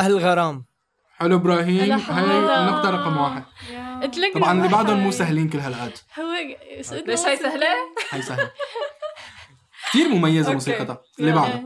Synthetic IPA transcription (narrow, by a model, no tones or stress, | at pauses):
ʔahlɪlɣɑɾˤɑːm | ħɪlːuʔɪbɾˤɑːɦiːmɦajʔanːaft̪ɑɾˤɾɑqɑmwaːħɪd̪̚t̪lɑbʕɑnɪlːibaʕd̪ʊnmuːsaɦliːnkɪlːɦalʔaːd̪h | beʃajsahlhajsaha | kt̪iːɾmʊmajːazamuːsiːqɑt̪ɑ | lːibaʕd̪ʊ